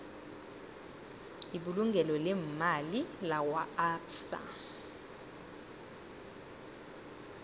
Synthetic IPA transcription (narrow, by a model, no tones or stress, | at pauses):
iɓuluŋɡʱɛlɔlɛmmalilawaapsa̰